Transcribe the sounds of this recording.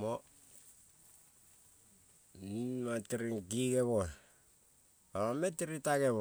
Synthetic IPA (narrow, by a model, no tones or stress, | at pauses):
mo | nimatɾiɡiɡeβo | oɾametiɾitaɡeβo